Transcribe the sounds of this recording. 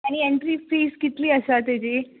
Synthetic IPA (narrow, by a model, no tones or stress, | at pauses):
añieɳʈɾiːfiːskit̪liːəɕat̪ed͡ʑi